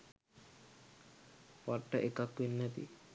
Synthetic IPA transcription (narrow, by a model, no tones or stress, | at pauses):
ʋaʈːəʔekakʋinːɛt̪ḭ